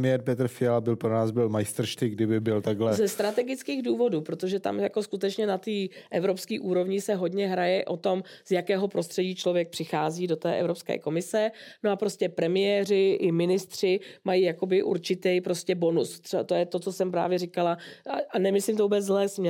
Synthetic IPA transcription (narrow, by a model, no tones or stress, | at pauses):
mɪjɛɾpɛt̪r̩fɪalabɪlpɾonaːzbɪlmajst̪r̩ʃt̪ɪɡdɪbɪbɪlt̪aɡlɛzɛst̪ɾat̪ɛɡɪt͡skiːɣduːvo̞duːpɾo̞t̪o̞ʒɛt̪a̰mjako̞skut̪ɛt͡ʃɲɛnat̪iːʔɛvɾo̞pskiːʔuːɾo̞vɲɪsɛɦo̞dɲɛɦɾajɛʔo̞t̪o̞mz̥jakɛːɦo̞pɾo̞st̪r̥ɛɟiːt͡ʃlo̞vjɛk̚pr̝̥ɪxaːziːdo̞t̪ɛ̰ːʔɛ̰vɾo̞pskɛ̰ːko̞mɪsɛno̞apɾo̞scʲɛpɾɛmɪjɛːrɪʔɪmɪnɪst̪r̝̥ɪmajijako̞bɪʔṵɾt͡ʃɪt̪ɛjpɾo̞scɛbo̞nust̪ɛt̪ojɛt̪o̞t͡sosɛmpɾa̰ːvjɛrɪkalaʔanɛmɪslimt̪ovuːbɛt͡szlɛːsmɲɛ